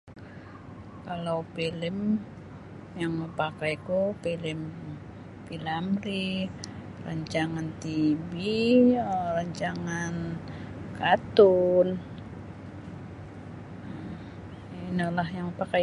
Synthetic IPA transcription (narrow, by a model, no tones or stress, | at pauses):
kalapilɪm | jaŋməpakajkupilɪm | pilamri | ra̰ɲt͡ʃaŋant̪ibi | raɲt͡ʃaŋan | kat̪un | inəlahjaŋəpaka